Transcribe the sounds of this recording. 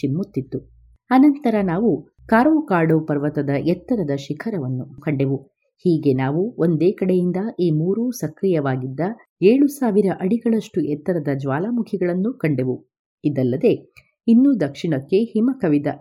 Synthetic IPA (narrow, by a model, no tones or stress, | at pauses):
t͡ʃimːut̪ːit̪ːu | ɐnɐnt̪ɐɾɐnaːʋu | kaːɾʋokaːɖoːpɐɾʋɐt̪ɐd̪ɐʔɛt̪ːɐɾɐd̪ɐʃikʰɐɾɐʋɐnːukɐɳɖeʋu | hiːɡe̞naːʋuo̞nd̪eːkɐɽejind̪ɐʔiːmuːɾuːsɐkɾijɐʋaːɡid̪ːɐ | eːɭusaːʋiɾɐʔɐɽiɡɐɭɐʂʈuʔɛt̪ːɐɾɐd̪ɐd͡ʒʋaːlamukʰiɡɐɭɐnːukɐɳɖeʋu | id̪ɐlːɐd̪e̞ | inːud̪ɐkʂiɳɐkːe̞himɐkɐʋid̪ɐ